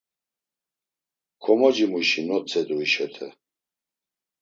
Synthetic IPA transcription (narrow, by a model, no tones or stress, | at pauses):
kʰɔmɔd͡ʒimuʃinɔt͡sʰɛd̪uiʃɛt̪ʰɛ